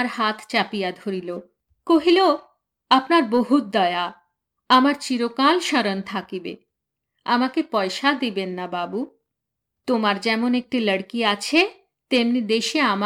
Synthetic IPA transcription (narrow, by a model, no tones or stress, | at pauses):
ɾhat̪ʰt͡ɕapijad̪ʱoɾilo | koɦilo | apnaɾboɦut̪̚d̪ɔea | amaɾt͡ɕiɾokalʃəɾont̪ʰakibḛ | amakepɔeʃad̪ibenːababu | t̪omaɾd͡ʑɛmonek̚ʈiləɽkiat͡ɕʰe | t̪emnid̪eʃeama